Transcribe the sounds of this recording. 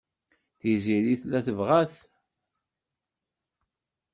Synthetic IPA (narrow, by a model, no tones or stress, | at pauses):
θiziɾiθlæθəvʁæθ